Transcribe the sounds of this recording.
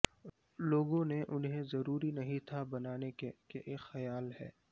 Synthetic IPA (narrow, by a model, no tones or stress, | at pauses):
loːɡõneʔʊnɦẽzɐɾuːɾinɐɦĩt̪ʰabɐnaːnekeʔeːxɐjaːlɦɛ̰ː